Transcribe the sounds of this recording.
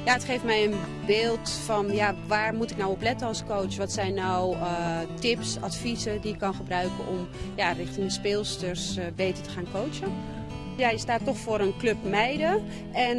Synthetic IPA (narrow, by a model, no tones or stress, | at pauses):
jaətχejftmɛjən | beːlˠtfɔnjaʋaːrmutɪknawɔplɛtəɑlˠskowt͡ʃʋɔtsɛjnːawtɪpsa̰tfisədiɪkːɔnχəbrœɥkəʔɔmjarɪxtɪŋdəspɪːlˠstərsbejtətə̥χaːnkowt͡ʃə | jajɪstaːtːɔxfoːɾənkløpmɛjdə | ʔɛn